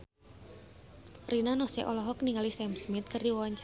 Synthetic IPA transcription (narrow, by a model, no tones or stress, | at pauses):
rinanɔsɛʔɔlɔɦɔk̚niŋalisɛmsmɪt̪̚kɨrdiwwaɲt͡ʃ